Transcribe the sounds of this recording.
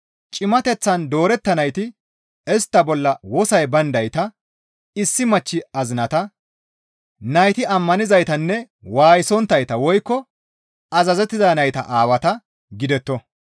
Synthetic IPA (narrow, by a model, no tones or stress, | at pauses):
t͡ʃʼɪmɐt̪ɛt͡sːɐnd̪oːɾɛt̪ːɐnɐjt̪ɪ | ɛst̪ːɐbɔlːɐwɔsɐjbɐnd̪ɐjt̪ɐ | ɪsːɪmɐt͡ʃːɪɐzɪnɐt̪ɐ | nɐjt̪ɪɐmːɐnɪzɐjt̪ɐnːɛ | waːjɪsɔnt̪ːɐjt̪ɐwɔjkːɔ | ɐzɐzɛt̪ːɪzɐnɐjt̪ɐ̰ʔaːwɐt̪ɐ | ɡɪd̪ɛt̪ːɔ